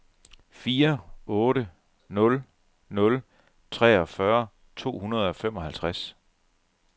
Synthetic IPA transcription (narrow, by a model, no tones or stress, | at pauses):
fiːɐɔ̽ːɾə | nɔ̽l | nɔ̽l | t͡sʰʁɛ̰ːɒ̽fɶɐ | t͡sʰo̝̰ːhunɐð̞ˠɒ̽femɒ̽ɦælt͡sʰʁas